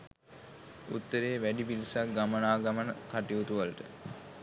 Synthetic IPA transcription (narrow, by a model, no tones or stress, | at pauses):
ut̪ːəɾeːʋæɖipilisakɡamənaːɡamənəkaʈiut̪uʋalʈə̰